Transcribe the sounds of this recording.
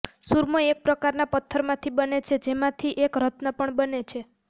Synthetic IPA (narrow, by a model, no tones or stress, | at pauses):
suɾməek̚pɾəkaɾnapət̪ʰːəɾmãt̪ʰibənet͡ʃʰed͡ʒemãt̪ʰiʔekɾət̪nəpəɳbənet͡ʃʰe